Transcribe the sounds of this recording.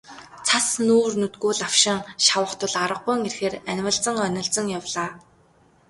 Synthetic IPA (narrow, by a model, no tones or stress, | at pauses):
t͡sʰasnuːrnɵt̪ɡuːɮaw̥ʃɪ̆ŋʃawə̆χt̪ʰʊ̆ɮaɾə̆qːʊjŋerxeːrænʲwə̆ɮt͡sə̆ŋœnʲɪ̆ɮt͡sə̆ŋjawɮaː